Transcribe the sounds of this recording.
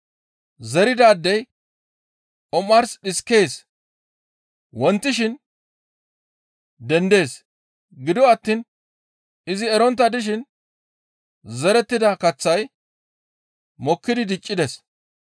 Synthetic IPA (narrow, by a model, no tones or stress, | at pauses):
zɛɾɪd̪aːd̪ːɛj | ʔɔmːɐɾsɗɪske̞ːs | wɔnt̪ːɪʃɪn | d̪ɛnd̪e̞ːs | ɡɪd̪ɔɐt̪ːiːn | ɪzɪɛɾɔnt̪̬ːɐd̪ɪʃ̬ɪn | zɛɾɛt̪ːɪd̪ɐkɐt͡sːɐj | mɔkːɪd̪ɪd̪ɪt͡ʃʼːɪd̪ɛs